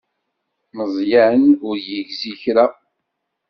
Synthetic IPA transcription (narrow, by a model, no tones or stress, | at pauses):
məzˤjænʊɾjəʝziçɾa